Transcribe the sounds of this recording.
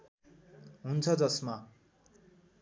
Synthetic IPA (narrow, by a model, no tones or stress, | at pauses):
ɦunt͡sʰʌd͡zʌsma